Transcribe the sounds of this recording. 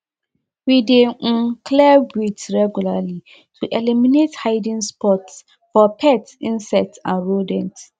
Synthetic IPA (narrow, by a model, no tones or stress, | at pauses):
wideŋ̩̃kʰlɛwitɹɛɡulali | tʰuʔɛlimĩnethaɪdĩnspʰɔts | fɔpʰɛtĩnsɛtã̰nɹodɛ̃nt